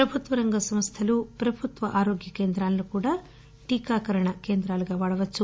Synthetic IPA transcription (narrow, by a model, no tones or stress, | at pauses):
pɾɐbʱut̪ʋɐɾɐŋɡɐsɐmst̪ʰɐlupɾɐbʱut̪ʋɐʔaːɾoːɡjɐkeːnd̪ɾaːlːukuːɽɐ | ʈiːkaːkɐɾɐɳɐkeːnd̪ɾaːlɐɡɐʋaːɭɐʋɐt͡ʃːu